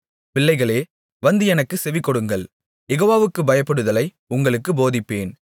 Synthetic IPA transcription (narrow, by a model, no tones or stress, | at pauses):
pɪɭːɐɪɣɐɭeː | ʋɐnd̪ɯɛnɐkːɯsɛʋɪkːɔɽɯŋɡɐɭ | jɛɣoːʋaːʋɯkːɯbɐjɐpːɐɽɯðɐlɐɪ | ʊŋɡɐɭɯkːɯboːðɪpːeːn